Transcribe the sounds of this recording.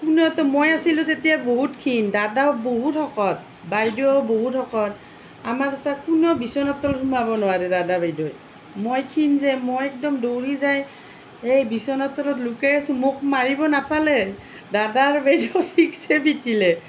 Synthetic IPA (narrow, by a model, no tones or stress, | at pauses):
kunɔtɔmojasilʊ̃tetijaboɦutkʰindadawboɦutɔkɔt̚ | bajdɔboɦutɔkɔt̚ | amaɹɛtakunɔbisɔnatɔɔthumabɔnʊwaɹɛdadabajdɔj | mojkʰinzɛmojɛk̚dɔmdowɹizaj | ejbisɔnatɔlɔtlʊkɛsumʊk̚maɹibɔnapalɛ | dadaɹbajdɔtʰiksɛbitilɛ